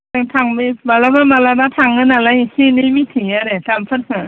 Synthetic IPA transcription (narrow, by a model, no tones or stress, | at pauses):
aŋtʰaŋbibalabamalabatʰaŋːɯnalajhinimitʰiŋaɾetampʰɯɾsɯ